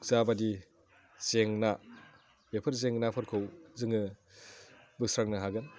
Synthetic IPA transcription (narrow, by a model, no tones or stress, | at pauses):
kzabadi | zeŋna | bepʰɐɾzeŋnapʰɐɾkʰowzɯŋɯ | bɯk̚sɾaŋnaɦaɡɯn